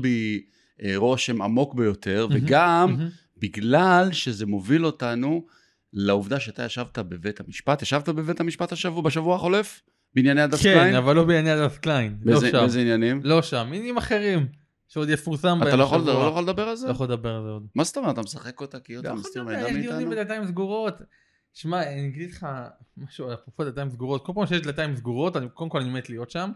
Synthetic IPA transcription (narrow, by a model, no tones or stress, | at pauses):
bi | ʁo̞ʃhema̰mo̞kbejo̞t̪ʰe̞ʁvveɡam | biɡlalʃe̞ze̞mo̞vilo̞tanu | lauvd̪aʃeat̪a̰jaʃavtabevet̪hamiʃpat̪jaʃavt̪abevet̪hamiʃpat̪haʃavubeʃavuaχo̞le̞f | beinjanejad̪akfeajinavalːobeinjanead̪afklainbezeezeinjanimloʃaminanimaχeʁim | ʃeod̪jefuʁsambtaalojaχolllojaχoled̪abeʁalzejaold̪abe̞ʁalzeod̪maze̥t̪omeat̪amesaχe̞kot̪akijotamist̪iʁmeaijonimbedat̪̬aimsɡuʁo̞t̪ | ʃmaniɡidileχamaʃupofod̪lat̪aimsɡuʁot̪ko̞lpaːmʃejed̪lat̪aimsɡuʁo̞tanikodemkolanimet̪lijo̞t̪ʃam